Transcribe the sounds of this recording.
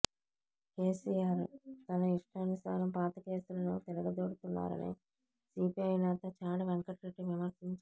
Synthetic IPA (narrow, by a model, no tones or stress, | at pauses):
ke̞ːsiːjaːɾt̪ɐnɐiʂʈɐːnusa̰ːɾɐmpaːt̪ɐke̞ːsulɐnut̪ɛlɐɡɐd̪oːɽut̪unːa̰ːɾɐ̰nḭ | siːpiɐjnɛːt̪ɐt͡ʃaːɽɐʋeŋkɐʈɾeʈːiʋimɐɾsiɲt͡ʃu